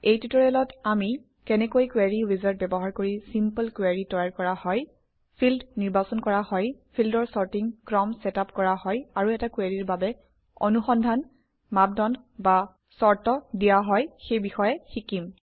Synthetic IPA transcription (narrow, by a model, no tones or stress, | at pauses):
ejtɹitɔɹiɔlɔtami | kɛnɛkojkwaɹiwizaɹt̚bɛbɔɦaɹkoɹisimpəlkwaɹitɔjaɹkɔɹahɔj | pʰildniɹbasɔnkɔɹahɔjpʰildɔɹsɔɹtiŋkɹɔmsɛtapkɔɹahɔjaɹuɛtakwaɹiɹbabɛ | ɔ̰nuxɔndʱan | mab̚dɔn | ba | sɔɹtɔdijaɦɔjxejbixɔjɛxikim